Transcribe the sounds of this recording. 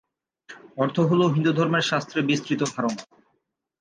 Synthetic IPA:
ɔɾt̪ʰoɦoloɦind̪ud̪ʱɔɾmeɾʃast̪ɾebist̪ɾit̪obʰʱaɾon

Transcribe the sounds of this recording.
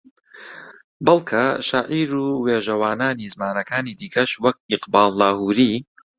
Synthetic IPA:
bɐlˠkʰɐʃaːʔiːɾuːweːʒɐwaːnaːniːzmaːnɐkaːniːd̪iːkʰɐʃwɐk̚ʔɪqbaːlˠːaːhuːɾiː

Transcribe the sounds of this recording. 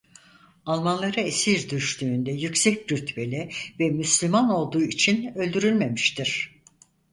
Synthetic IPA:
alˠmanlˠaɾaesiɾd̪yʃt̪ʰyːnd̪ɛjycsɛcɾyt̪ʰbe̞lʲivɛmyslʲymano̞lˠd̪uːit͡ʃʰinø̞lʲd̪yɾylʲme̞miʃt̪iɾ̥

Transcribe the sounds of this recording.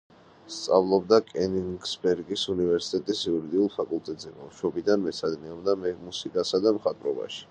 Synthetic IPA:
st̪sʼavlˠɔbd̪akʼɛniŋɡsbɛɾɡisunivɛɾsi̥t̪ʼɛt̪ʼisiuɾid̪iulˠpʰakʼulˠt̪ʼɛt̪ʼzɛmamʃwɔbid̪anmɛsad̪niɔbd̪amɛmusikʼasad̪amχat̪ʼvɾɔba̰ʃi̥

